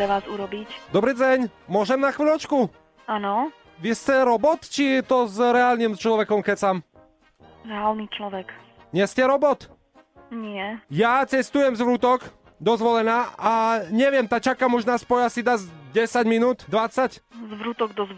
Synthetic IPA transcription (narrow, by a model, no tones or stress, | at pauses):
pɾɛʋaːzuɾɔbicd̪ɔbɾiːd͡zɛɲmʊɔʒɛmnaxʋilʲɔt͡ʃku | anɔ | ʋiscɛɾɔbɔt̪t͡ʃiɛt̪ɔzɾɛaːlnimst͡ʃlɔʋɛkɔmkɛcsaːm | ɾɛaːlnit͡ʃlɔʋɛk | ɲɛscɛɾɔbɔt̪ | ɲɪɛjat͡sɛst̪ujɛmzʋɾut̪ɔk | d̪ɔzʋɔlɛnaːaɲɛʋɪɛmt̪at͡ʃakamuʒnaspɔjasid̪azɟɛsaɟminuːt̪d̪ʋat͡saczʋɾut̪ɔɡd̪ɔz